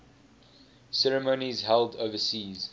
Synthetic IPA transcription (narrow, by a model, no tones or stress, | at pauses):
sɛɹəmoʊnizɦɛlˠdoʊvəsiːz̥